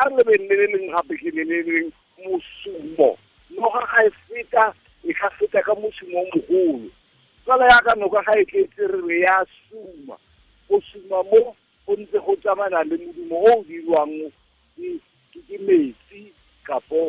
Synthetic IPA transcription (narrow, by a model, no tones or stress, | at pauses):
arɪlɪbɛn̩lɛlelɪŋ̩χapɪkʼɪlɛleleŋ̩ | mʊsuːmɔ̰ | nɔχaχaɪfɪtʼa | ɪχafɪtʼakʼamʊsumɔmʊχʊːlʊ̰ | t͡sʼalajakʼanɔkʼaχaɪt͡ɬʼet͡sʼɪrɪrɛjasuːma̰ | mʊsumamo | ʊn̩t͡sʼɪχʊt͡sʼamanalɪmʊdimɔoʊdilwaŋ̩ʊ | kɪ | kʼɪkʼɪmeːt͡sʼi | kʼapʼɔː